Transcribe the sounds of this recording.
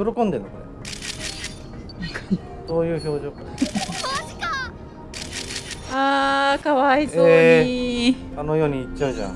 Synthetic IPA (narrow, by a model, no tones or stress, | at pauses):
joɾokõ̞nd̪e̞nːokoɾe | akaɲi | so̞ːjɯ̟ːço̞ːʑo̞ːkaaɕi̥ka | akaβaizoei | ano̞jo̞ːɲ̟iːt͡ɕaɯ̟ʑã̰ŋ